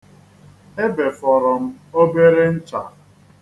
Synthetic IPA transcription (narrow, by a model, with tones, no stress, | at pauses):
e˦be˨fɔ˨ɾɔ˨m̩˦o˦be˦ɾe˦n̩˦t͡ʃa˨